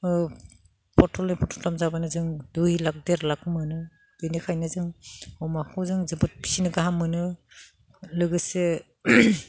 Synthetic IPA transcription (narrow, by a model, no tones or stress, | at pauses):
pʰɔɾtʰɔlepʰɔtʰɔtʰlamzabanɯzɯŋdujlak̚deɾlakɯmɯnɯ | d̥ɯjnikʰajnɯzɯŋɔmakʰɔzɯŋzɯbɯt̚pi̥sinɯɡaɦamːɯnɯ | lɯɡɯse